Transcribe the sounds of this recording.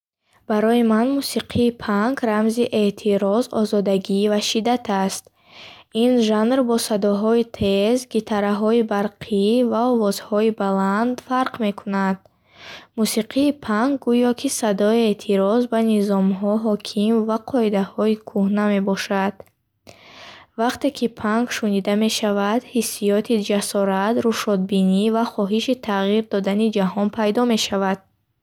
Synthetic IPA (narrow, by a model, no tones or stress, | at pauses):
b̥aɾɔimanmusiqʰiːpʰaŋɡɾamziʔe̞t̪ʰiɾɔzɔ̰zɔd̪aɡivaʃid̪at̪ʰast̪ | inʒanɾbɔsad̪ɔɦɔit̪ʰezɡit̪ʰaɾaɦɔibaɾqʰivaɔvɔz̥hɔibaland̪faɾqme̞kʰunad̪̥ | musiqʰiːpʰaŋɡ̚ːujɔkʰisad̪ɔiet̪ʰiɾɔzbanizɔmɦɔɦɔkʰimvaqʰɔid̪ahɔikʰuhname̞bɔʃad̪̥ | vaqt̪e̞kʰipʰaŋɡʃunid̪ame̞ʃavad̪̥hisːijɔt̪ʰid͡ʒasɔɾat̪ɾuʃɔd̪̚binivaχɔɦiʃit̪ʰaʁiɾd̪ɔd̪anid͡ʒahɔnpʰajd̪ɔme̞ʃavad̪̥̚